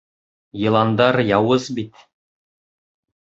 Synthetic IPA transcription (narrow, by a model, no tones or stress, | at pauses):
jɤ̆lˠɑnd̪ɑɾjɑwɤzbit̪